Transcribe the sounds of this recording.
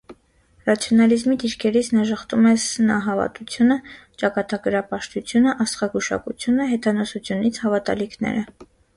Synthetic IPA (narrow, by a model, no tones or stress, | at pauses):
rɑt͡sʰjɔnɑlizmid̪iɾkʰɛɾit͡sʰnɑʒəχt̪umɛsənɑɦɑvɑ̰t̪ut͡sʰjunə | t͡ʃɑkɑt̪ɑɡəɾɑpɑʃt̪ut͡sʰjunəʔɑst̪χɑɡuʃɑ̰kut͡sʰjunəɦɛt̪ɑnɔsut͡sʰjunit͡sʰhɑvɑt̪ɑ̰likʰnɛ̰ɾə